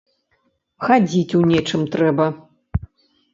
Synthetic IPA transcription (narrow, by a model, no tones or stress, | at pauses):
xad͡zʲit͡sʲunʲɛt͡ʂɨmt̪ɾɛbɐ